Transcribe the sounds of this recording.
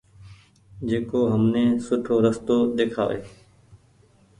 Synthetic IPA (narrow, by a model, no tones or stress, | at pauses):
d͡ʒeːkoːɦəmneːsʊʈʰoːɾəst̪oːɗ̪eːkʰa̰ːʋeː